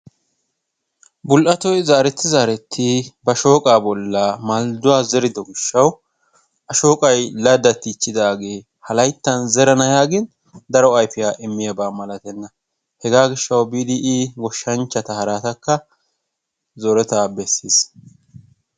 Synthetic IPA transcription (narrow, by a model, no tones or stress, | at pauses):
bʊlʔɐt̪ɔjzaːɾɛt̪ːɪzaːɾɛt̪ʰːɪbɐʃo̞ːkʼaːbɔlːamald̪ʊwaːzɛɾɪd̪ɔɡɪʃːɐw | ʔɐʃo̞ːkʼɐjlɐd̪ɐt̪ːɪːt͡ʃːɪd̪aːɡe̞ː | hɐlɐjt̪ːɐnzɛɾɐnɐjaːɡɪn | d̪ɐɾɔɐjfɪjaːʔɪmːɪjɐbaːmɐlɐt̪ɛnːɐ | hɛɡaːɡɪʃːɐwbiːd̪ɪʔɪɡɔʃːɐnt͡ʃːɐt̪ɐhɐɾaːt̪ɐkːɐ | zɔɾɛt̪aːbɛsːiːs